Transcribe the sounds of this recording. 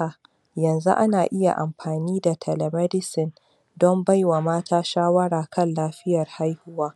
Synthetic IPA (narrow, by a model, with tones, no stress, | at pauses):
a˨ | jɐ˨nzṵ˦ʔa̰˦naː˨ʔɪ˦ja̰˨ʔa˨mɸaː˨niː˦da˨tʰɐ˨lɐ˨mɛ˦dɪ˦sɪ˨n | dɔ˦mba˦jwa˨maː˦tʰaː˦ʃaː˦wɐ˦ɾaː˨kʰɐ˦nlaː˦ɸɪ˦jɐ˨rha˦jhʊ˦waː˦